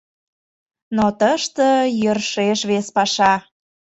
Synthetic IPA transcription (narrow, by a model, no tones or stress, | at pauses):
not̪əʃt̪əjərʃeʃβespɑʃɑ